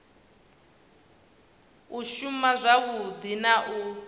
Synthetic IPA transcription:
uʃumazʷaβud̪inaʔu

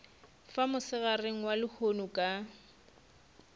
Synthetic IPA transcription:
famʊsɪɣareŋ̩walɪhonukʼa

